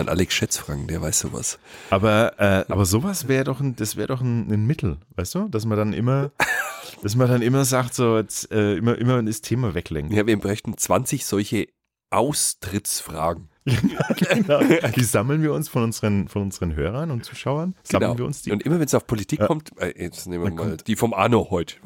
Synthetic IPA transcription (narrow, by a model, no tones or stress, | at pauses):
anʔa̰lɛksʃɛt͡sfʁ̥a̰ŋkd̥eːɐva̰ɪsz̥o̰ːva̰sʔaːbɐʔɛːʔa̰ːbɐzoːvasv̥ɛːʁədɔχn̩d̥asv̥ɛːʁədɔχn̩nənmɪtʰl̩vaɪstd̥uːd̥asmɐdanʔɪ̰mɐ | d̥asmɐdanʔɪmɐzaktz̥oːɛt͡sʔɛːʔɪmɐʔɪmɐɛnɛstʰeːmavɛklɛ̰ŋkjaːviːɐmbʁɛçtn̩t͡sv̥ant͡sɪçz̥ɔlçə | ʔaʊstʁ̥ɪt͡sfʁ̥a̰ːɡŋ̩ | jɡ̥ɡənaʊd̥iːzaml̩nviːɐʊnsfɔnʔʊnzəʁənfɔnʊnzəʁənɦøːʁ̞ɐnʊntt͡suːʃaʊɐnz̥amnlːnviːɐʔʊnsd̥iːʊntʔɪmɐvɛnsaʊfpʰolitʰiːkʰːɔmtʔɛjɛt͡snemvaɐmaɔːmld̥iːfɔmʔa̰nohɔʏtə̥